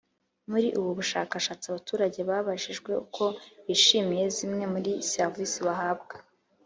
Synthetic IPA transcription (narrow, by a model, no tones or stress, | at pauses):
muɾiʔuβuβuʃa̰ːkaʃaːt͡siaβatuːɾaɟe̞βaβaʃiʒɡwe̞ukʰo̞iʃimije̞zimŋe̞muɾiseɾvisiβaɦab̚ɡa